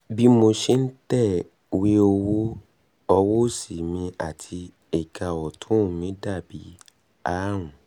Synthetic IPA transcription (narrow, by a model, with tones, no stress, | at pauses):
bi˦mo˧ʃe˦n̩˦tɛ˦˨ | we˦o˧wo˦ | ɔ˧wo˦si˨mĩ˧a˨tʰi˧ | e˨ka˨wɔ˨tʰũ˦˨mĩ˨˦da˦˨bi˨˦ | a˦ɾ̃ũ˨